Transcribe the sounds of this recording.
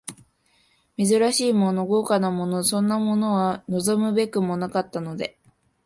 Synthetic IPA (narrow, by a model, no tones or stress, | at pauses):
mʲe̞zɨɾaɕiːmo̞no̞ɡo̞ːkanamo̞no̞sõ̞nːamo̞no̞βano̞zo̞mɯ̟be̞kɯ̟mo̞nakat̪ːano̞d̪e̞